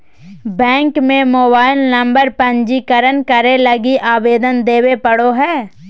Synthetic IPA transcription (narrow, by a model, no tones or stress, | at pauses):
bɛ̃ːŋkmẽmoːbaːɪlnɐ̃mbəɾpə̃ɲd͡ʒikəɾənkəɾelɐɡiʔaːʋeːd̪ənd̪eːwepɐɽoɦɛː